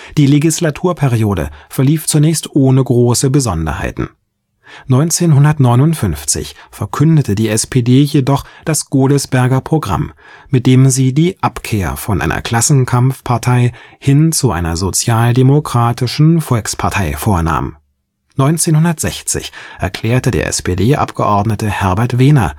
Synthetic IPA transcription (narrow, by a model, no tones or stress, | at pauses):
d̥iːleɡislatʰuːɐpʰɛʁioːdə̰fɛɐliːft͡sunɛːçstʔoːnəɡʁoːsəbəzɔndɐ̰ha̰ɪtn̩ | nɔʏnt͡seːnɦʊndɐtnɔʏnʊntfʏnft͡sɪ̰çfɛɐkʰʏndətʰədiːɛspʰeːdeːjedɔχd̥asɡ̥oːləsb̥ɛɐɡɐpʁ̥oɡʁa̰m | mɪt̚d̥eːmziːdiːʔapkʰeːɐfɔnʔa̰ɪ̰nɐ̰kʰl̥asn̩kʰamfpʰaɐtʰaɪhɪnt͡suʔa̰ɪnɐ̰zot͡sjaːldemokʁ̥aːtʰɪʃn̩fɔlkspʰaɐtʰaɪfoːɐna̰ːm | nɔʏnt͡seːnhʊndɐtz̥ɛçt͡sɪ̰çʔɛɐkʰl̥ɛːɐtədḛːɐʔɛ̰speːdeːʔa̰pɡ̥əʔɔɐdnətəhɛɐbɛɐtv̥eːnɐ̰